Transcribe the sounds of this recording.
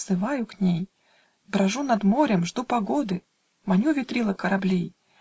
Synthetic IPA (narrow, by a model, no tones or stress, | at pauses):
sɨvajʊknʲej | bɾɐʐunɐd̪moɾʲəmʐd̪upaɡod̪ɨ | manʲuvʲɪt̪ɾʲilˠəkəɾablʲej